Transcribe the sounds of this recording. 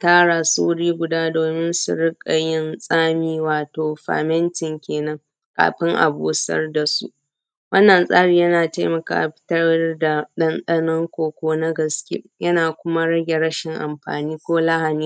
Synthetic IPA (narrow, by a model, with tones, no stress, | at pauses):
taː˦ɽa˨sṵ˦ɽiː˦ɡʷʊ˨daː˦doː˨mɪ˦nsʊ̰˨ɽɪ˦kʼa˨jɪ˦nsʼaː˦miː˦waː˨toː˨ɸa̰ː˨mɛ˦ntɪ˨ŋkʲeː˨nɐ˦ŋ | kʼa̰ː˨ɸɪ˦ŋʔa̰˨buː˨sɐ̰˦rda˨sṵ˦ | wɐ˦nːɐ˨nsʼa̰ː˦ɽiː˨jɐ˦naː˨ta˦mɐ˨ka̰ː˨ʔɸɪ̥˦tɐ˦da˨ɗɐ˦nɗɐ˦nɔ˦ŋkʷoː˨kʷoː˦na˦ɡɐ˨skʲḛ˦jɐ˦naː˨kʷʊ˦ma˦ɽɐ˦ɡʲe˨ɽɐ˦ʃɪ˨ŋʔa̰˨mɸa̰ː˨niː˦kʷoː˦la˦ɦa˨niː˦